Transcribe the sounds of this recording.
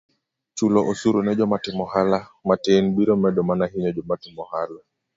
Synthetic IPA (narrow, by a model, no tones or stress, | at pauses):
t͡ʃulɔʔosuɾonɛd͡ʒɔmatɪmɔhalamatenbiɾɔmɛdɔmanaɦiɲɔd͡ʒɔmatɪmɔhala